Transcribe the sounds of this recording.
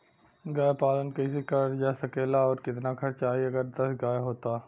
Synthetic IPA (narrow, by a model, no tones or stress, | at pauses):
ɡaːjpaːlənkɐisekɐɾd͡ʒɛːsɐkeːlaɔːɾkɪt̪nakʰɐɾt͡ʃaːɦieɐɡəɾd̪ɐsɡaːjɦoːt̪aː